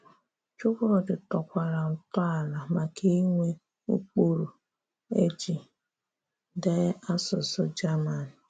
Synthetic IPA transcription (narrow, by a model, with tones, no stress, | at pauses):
t͡ʃʊ˦kʊ˦ɾɔ˨dɪ˨tɔ˨kʷa˨ɾa˨n̩˨tɔ˦a˨la˨ma˨kʰe˦i˦ŋʷe˦ | u˦k͡po˨ɾu˨ | e˦d͡ʒi˨ | de˦a˦sʊ˨sɔ˦d͡ʒa˦ma˨nɪ˨